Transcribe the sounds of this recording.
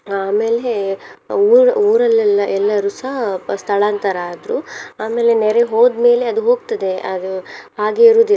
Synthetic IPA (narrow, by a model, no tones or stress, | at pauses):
aːme̞ːle | uːɾuːɾɐlːɛlːɐʔɛlːɐɾuːsɐɦɐst̪ʰɐɭaːnt̪ɐɾaːd̪ɾuaːme̞ːle̞nɛɾeɦo̞ːd̪me̞ːle̞ɐd̪uɦo̞ːɡt̪ɐd̪e̞ɐd̪uɦaːɡeiɾuːd̪i